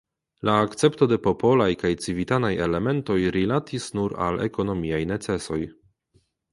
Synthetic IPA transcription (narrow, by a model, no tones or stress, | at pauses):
laːkt͡se̞pto̞de̞po̞po̞lajkajt͡sivitanaje̞le̞me̞nto̞jɾilatʰisnuɾa̰lḛko̞no̞miajne̞t͡se̞so̞j